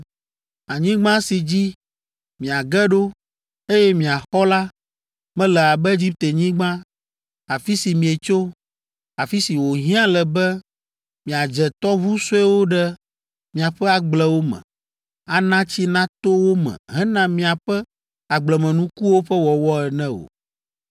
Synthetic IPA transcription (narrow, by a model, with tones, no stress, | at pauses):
a˨ɲĩ˦ɡ͡bã˦si˨d͡ʑi˦ | mĩ˨a˨ɡɛ˦ɖo˦ | e˦jɛ˦mĩ˨a˨xɔ˦la˦ | mɛ̃˦lɛ˨a˨bɛ˦e˦d͡ʑi˦p̚t̪e˨ɲĩ˦ɡ͡bã˦ | a˨fi˦si˨mĩ˨e˨t͡ʃo˦ | a˨fi˦si˨wo˨ɦĩ˦ã˦lɛ˨bɛ˦ | mĩ˨a˨d͡ʒɛ˨t̪ɔ˦vu˦so˦ɛ˦wo˦ɖɛ˦ | mĩ˨a˨ɸɛ˦a˨ɡ͡blɛ˨wo˦mɛ̰̃˨ | a˨nã˦t͡ɕi˦nã˦t̪o˦wo˦mɛ̰̃˨ɦɛ˦nã˦mĩ˨a˨ɸɛ˦ | a˨ɡ͡blɛ˨mɛ̃˨nũ˦ku˦wo˦ɸɛ˦wɔ˨wɔ˦ɛ˨nɛ̃˦o̰˨